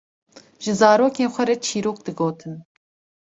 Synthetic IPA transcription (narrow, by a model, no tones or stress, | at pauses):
ʒ̥ɨzɑːɾoːkeːnxʷɛɾɛt͡ʃʰiːɾoːk̚d̪ɨɡoːt̪ʰɨn